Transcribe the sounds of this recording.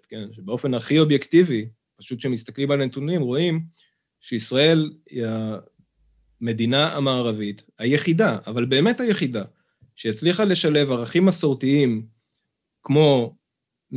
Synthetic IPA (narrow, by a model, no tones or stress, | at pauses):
ke̞nʃebeo̞fe̞naχio̞bjektivi | paʃut̪ʃemist̪aklimalanet̪unimʁo̞im | ʃeisʁae̞lia | me̞d̪inaʔa̰maːʁavithaje̞χidaavalbe̞ːmethaje̞χida | ʃejat͡sliχale̞ʃale̞vaʁaχimasoʁtiim | kmo̞